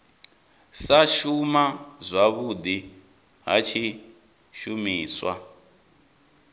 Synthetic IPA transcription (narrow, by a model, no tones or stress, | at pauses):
saʃumazʷaβud̪i | ɦa̰t͡ʃʰi | ʃumiːswa̰